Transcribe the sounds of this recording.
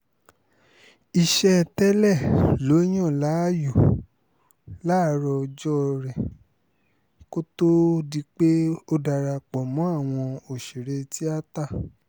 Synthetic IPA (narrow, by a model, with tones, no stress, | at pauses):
i˨ʃɛ˧˨tɛ˦lɛ˦˨lo˨˦j̃ɔ̃˦˨la˨˦˨ju˨ | la˦ɾɔ˧d͡ʒɔ˦˧ɾɛ˨ | ko˦to˦di˧k͡pe˦o˦da˧ɾa˧k͡pɔ˨mɔ̃˨˦a˦˨w̃ɔ̃˧o˨ʃi˨ɾe˧ti˦a˦ta˦˨